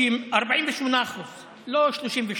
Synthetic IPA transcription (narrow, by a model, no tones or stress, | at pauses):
imaʁbaʕiːmvɪʃmonaχus | loʃloʃimveʃ